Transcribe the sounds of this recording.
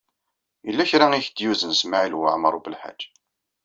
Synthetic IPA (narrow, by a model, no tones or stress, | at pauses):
jəlːæçɾaŋiçd̪juzənsmaʕilwə̰ʕməɾˤubəlħa̰d͡ʒː